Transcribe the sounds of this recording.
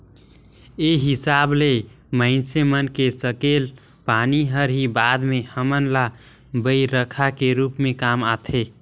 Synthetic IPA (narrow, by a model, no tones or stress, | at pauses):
eɦɪsaːble | mə̃ɪnsemənkesəkel | paːniɦəɾɦibaːd̪mehəmənla | bəiɾəkʰakeɾuːpmẽkamat̪ʰe